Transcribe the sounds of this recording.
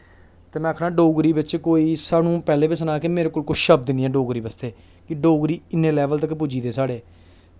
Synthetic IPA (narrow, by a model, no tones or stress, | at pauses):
t̪eːmɛ̃ːəkʰɽãːɖoːɡɾiːbɪt͡ʃkoːiːsaːnũːpɛːleːbiːsənaːkemeːɾeːkoːlkʊt͡ʃʰʃəb̚d̪ɪniːɛːɖoːɡɾiːbəst̪eː | kɪɖoːɡɾiːɪnːẽːlɛːʋəlt̪̬əkːpud͡ʒiːd̪eːsaːɽeː